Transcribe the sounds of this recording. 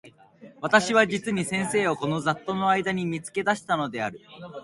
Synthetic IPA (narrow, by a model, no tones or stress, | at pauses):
β̞at̪aɕiβad͡ʑit͡sɨɲ̟isẽ̞ɰ̃se̞ːo̞ko̞no̞zat̪ːo̞no̞aid̪aɲ̟imʲit͡sɨ̥ke̞d̪aɕi̥t̪ano̞d̪e̞aɾɯ̟